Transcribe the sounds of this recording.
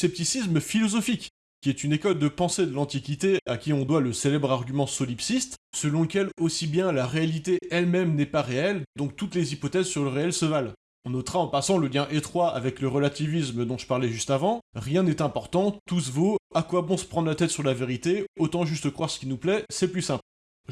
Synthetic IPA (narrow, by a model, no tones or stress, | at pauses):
sɛp̚t̪isisməfilɔzɔfikːʲ | iɛt̪ynekɔld̪əpɑ̃sed̪əlɑ̃t̪ikʲit̪eakʲiɔ̃d̪waləselɛbʁaʁɡʲymɑ̃sɔlipsist̪səlɔ̃ləkʲɛlosibjɛ̃laʁealit̪eɛlmɛmnɛpaʁeɛld̪ɔ̃k̚t̪ut̪lezipɔt̪ɛzsyʁləʁeɛlsəval | ɔ̃not̪ʁaɑ̃pasɑ̃ləljɛ̃ʔet̪χwaa̰vɛkləʁəlat̪ivisməd̪ɔ̃ʒəpaʁlɛʒyst̪avɑ̃ʁjɛ̃nɛt̪ɛ̃pɔʁt̪ɑ̃t̪us̬voakwabɔ̃sə̥pχɑ̃d̪lat̪ɛt̪syʁlaveʁit̪eot̪ɑ̃ʒyst̪əkχwaʁsə̥kʲinuplɛsɛplysɛ̃pl